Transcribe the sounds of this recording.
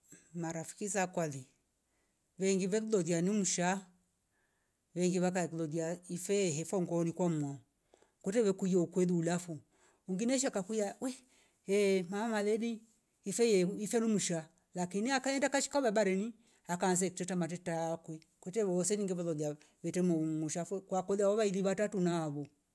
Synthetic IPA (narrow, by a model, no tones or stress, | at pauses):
maɾafi̥kisakwali | βɛŋɡiβɛlulɔðianimuʃa | βɛŋɡiβak̬alɔdiaifɛɦɛfɔŋɡɔnikwamɔ | kɔtɛwɛkujɔukwɛliːlafu | uŋɡinɛʃ̬akakujawɛ | ɛmaamalɛniː | fɛjɛifɛnumuʃa | lakiniakaɛndakaʃi̥kaβabaɾɛni | akans̬ɛkitɛtamat̬ɛtakwi | kɛtɛβɔsɛniŋɡiβalɔdia | βɛtɛmɔmuʃafɛkwakɔðiaɔβailiβatatunaːβɔ